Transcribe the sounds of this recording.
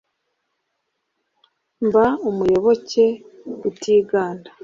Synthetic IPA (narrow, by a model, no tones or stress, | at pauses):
mbaumujo̞βo̞ce̞utiːɡaːndḁ